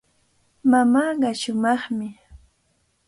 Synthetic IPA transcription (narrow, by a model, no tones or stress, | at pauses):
mamaːɢɑʃʊmɑχmɪ